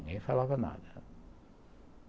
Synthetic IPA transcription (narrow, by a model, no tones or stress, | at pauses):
ɲefɐlavɐna̰ðɐ